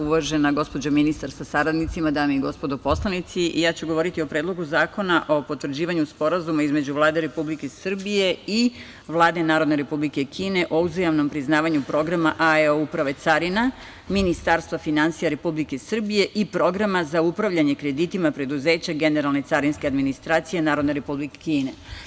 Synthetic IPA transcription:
uʋaʒe̞naɡo̞spod͡ʑominist̪aɾsasaɾad̪nit̪simad̪aːmeiɡo̞spod̪opo̞slˠanit̪sijaːt͡ɕuɡo̞ʋo̞ɾit̪io̞pɾeːd̪loɡuzaːko̞naʔo̞po̞t̪ʋrd͡ʑiːʋaɲuspo̞ɾazumaizme̞d͡ʑuʋlˠaːd̪e̞ɾe̞publikesr̩bije̞i | ʋlˠaːd̪e̞naːɾod̪ne̞ɾe̞publike̞kʰiːne̞ʔo̞uzajamno̞mpɾiznaːʋaɲupɾo̞ɡɾamaʔaeoupɾaʋe̞t̪saɾina | minist̪aɾst̪ʋafinansijaɾe̞publike̞sr̩bije̞ʔipɾo̞ɡɾamazaupɾaʋʎaɲe̞kɾe̞d̪it̪imapɾe̞d̪uze̞ːt͡ɕaɡe̞ne̞ɾalˠne̞t̪saɾinske̞ad̪minist̪ɾaːt̪sije̞naːɾo̞d̪ne̞ɾe̞publikekiːne

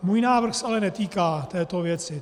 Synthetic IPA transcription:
muːjnaːvr̩xsɛʔalɛnɛt̪iːkaːt̪ɛːt̪ovjɛt͡sɪ

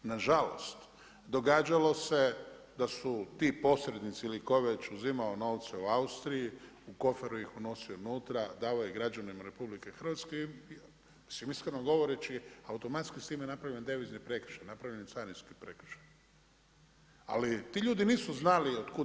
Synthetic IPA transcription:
naʒalo̞st̪ | d̪o̞ɡaːd͡ʒalo̞se̞d̪asut̪iːpo̞sɾed̪nit̪siilikoʋet͡ʃuzimaono̞ːʋt̪seuaust̪ɾiji | uko̞feɾujixuno̞sionuːt̪ɾad̪aːlojeɡɾad͡ʒanimaɾe̞publikexr̩ʋat̪ske | simiskɾnoɡo̞ʋoɾet͡ʃiaut̪o̞mat̪skist̪iːmjenapɾaʋʎend̪eʋiznipɾekɾ̩̥ʃajnapɾaʋʎenit̪saɾninskipɾekɾ̥̩ʃḁj | a̰lit̪iːʎuːd̪iniːsuznaliod̪ku

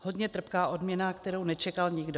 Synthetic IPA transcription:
ho̞dɲɛt̪r̩pkaːʔo̞dmɲɛnakt̪ɛɾownɛt͡ʃɛkalɲɪɡdo

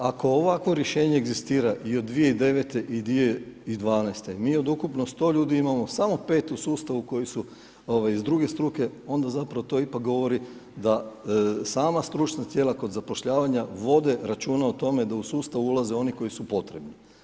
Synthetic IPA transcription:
ako̞ːʋakʋo̞ɾje̞ʃe̞ːɲe̞ːɡzist̪iːɾaʔiod̪ːʋije̞id̪e̞ʋe̞t̪e̞ʔid̪ʋie̞id̪ʋaːnajst̪e̞miːo̞d̪ukupnost̪o̞ːʎuːd̪iimamo̞samo̞pe̞ːt̪usuːst̪aʋuko̞jisu | oʋajizd̪ɾuɡe̞st̪ɾuke̞o̞nd̪azapɾaʋot̪o̞ipak̚ɡo̞ʋo̞ɾi | d̪a | saːmast̪ɾut͡ʃnat̪je̞ːlako̞d̪zapo̞ʃʎaːʋaɲaʋo̞d̪e̞ɾat͡ʃuːnaot̪o̞me̞d̪ausuːst̪aʋuulˠaze̞o̞niko̞jisupo̞t̪ɾe̞bni

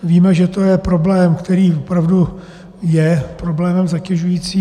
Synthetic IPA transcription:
viːmɛʒɛt̪o̞jɛpɾo̞blɛːmkt̪ɛɾiːvopɾavdu | jɛpɾo̞blɛːmɛmzacɛʒujiːt͡siː

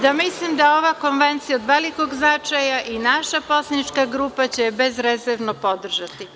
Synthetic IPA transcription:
d̪amislimd̪ao̞ʋako̞nʋe̞nt̪sijaod̪ʋe̞liko̞ɡznat͡ʃajaʔinaʃapo̞slˠanit͡ʃkaɡɾuːpat͡ɕebe̞zɾezeɾʋnopo̞d̪r̩ʒat̪i

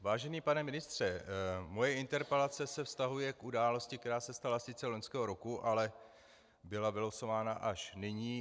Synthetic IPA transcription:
vaːʒɛniːpanɛmɪnɪst̪r̝̥ɛmo̞jɛɪnt̪ɛɾpɛlat͡sɛsɛfst̪aɦujɛkudaːlo̞scɪk̚t̪ɛɾaːsɛst̪alasɪt͡sɛlo̞ɲskɛːɦo̞ɾo̞kuʔalɛ | bɪlavɪloso̞vaːnaʔaʃnɪɲiː

